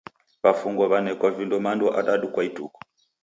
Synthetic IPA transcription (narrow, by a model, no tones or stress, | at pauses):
βafuŋɡɔβanɛkɔvindɔmandɔʔaɗaɗukwaitʼukɔ̥